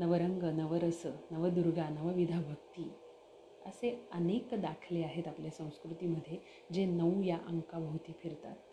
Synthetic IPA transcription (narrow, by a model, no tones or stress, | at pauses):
nəʋəɾəŋɡənəʋəɾəsənəʋəd̪uɾɡanəʋəʋid̪ʱabʱək̚t̪iː | ə̰seənekd̪akʰleaɦet̪apljasə̃w̃skɾut̪iːməd̪ʱːje | d͡ʑenəujaʔəŋkabəwt̪iːfiɾt̪a̰t̪̚